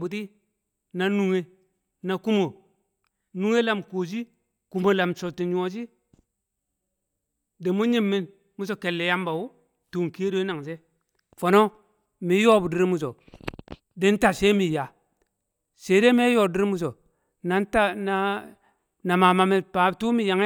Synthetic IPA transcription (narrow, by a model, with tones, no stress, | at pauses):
bu˨ti˦ | na˨nu˨ŋe˨ | na˨ku˦mo˨ | nu˦ŋe˦la˨mko˨s̬i˦ | ku˨mo˨la˨mso˨ti˨ɲ˦o˨s̬i˦ | de˨mu˦ɲi˦mːi˦n | mu˦so˨ke˨lːe˨ja˦mba˨wu˦ | tu˨ŋ˨ki˦do˦na˨ŋse˦ | fo˨no˦ | mi˨˦jo˦bu˨di˦ɾi˦mu˨s̬o˨ | de˨˦n˦ta˨se˦mi˨ja˨ | se˨˦de˦m˦e˦jo˦˨di˦ɾi˦mu˨s̬o˨ | na˨˦n˦ta˦na˨ | na˨ma˨ma˨mi˨pa˨˦˨tu˦mi˨ja˨ŋe˦